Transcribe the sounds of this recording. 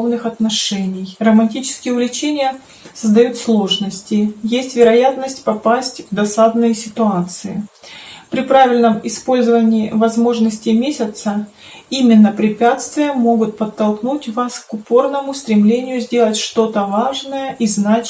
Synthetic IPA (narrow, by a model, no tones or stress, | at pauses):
vnɨxɐt̪nɐʂɛnʲɪjrəmɐnʲtʲit͡ɕɪ̥skʲɪjəʊlʲɪt͡ɕenʲɪjə | səzd̪ɐjut̪slˠo̞ʐnəsʲtʲɪjesʲtʲvʲɪɾɐjat̪nəsʲtʲpɐpasʲtʲvd̪ɐsad̪nəjsʲɪt̪ʊat̪sɨɪ̰pɾʲɪpɾavʲɪlʲnəmɪspo̞lʲzəvənʲɪːvɐzmo̞ʐnəsʲtʲɪmʲesʲət̪səimʲɪnːəpɾʲɪpʲat̪st̪vʲɪjəmo̞ɡʊt̪̚pət̪ːɐlˠknutʲvaskʊpo̞rnəmʊst̪ɾʲɪmlʲenʲɪjʊzʲdʲe̞lˠətʲʂt̪o̞t̪əvaʐnəjəʔiznat͡ɕ